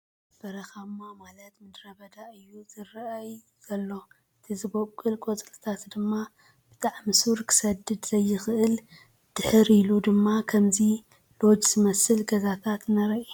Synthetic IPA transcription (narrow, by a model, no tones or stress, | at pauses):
b̥ɐɾɐxamːamalɐt̪mɨd̪ɾɐbɐd̪aɨjːuzɨɾʔɐj | zɐlːo̞ | ɨt̪ʰizɨbokʼːɨlkʼot͡sʼlɨt̪ʰat̪d̪ɨmːa | b̥ɨ̥t̪ʼaʕmɨsuɾkʰɨ̥sɐd̪ɨd̪z̥ɐjːɪxʔɨl | d̪̥ɨħɨɾilud̪ɨmːakʰɐmzi | lo̞d͡ʒz̥ɨmɐsɨlɡɐzat̪ʰat̪nɐɾɐʔi